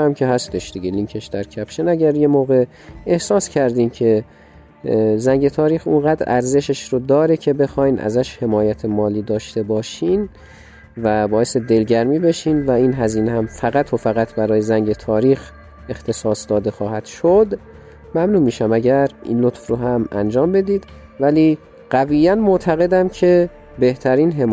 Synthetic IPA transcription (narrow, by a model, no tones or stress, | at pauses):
æmkʰe̞ɦæst̪e̞ʃd̪̥iɟeliŋkʰe̞ʃd̪æɾcʲʰæpʃenæɟæɾje̞moːɣe̞ | ehsɒːscʰæɾd̪iːmcʰe̞ | zæŋɟe̞t̪ʰɒːɾiːxunɢæːd̪ɾʔæ̰ɾze̞ʃeʃɾod̪ɒːɾecʰe̞be̞xɒːjnʔæ̰zæʃhe̞mɒːjæt̪ʰemɒːliːd̪ɒːʃt̪e̞bɒːʃiːn | væbɒːje̞sed̪e̞lɟæɾmiːbeʃiːnvæiːnɦæziːnehæmfæɣæt̪ʰofæɣæt̪ʰbæɾɒːjezæŋɟe̞t̪ʰɒːɾiːx | e̞xt̪ʰe̞sɒːsd̪ɒːd̪e̞xɒːhæd̪̥ʃod̪ | mæmnuːmiːʃæmæɟæɾḭːnlot̪fɾoɦæmænd͡ʒɒːmbe̞d̪iːd̪ | væliː | ɢ̥æviːjænmoʔt̪ʰæɣe̞d̪æmcʰe̞ | be̞ht̪ʰæɾiːnɦe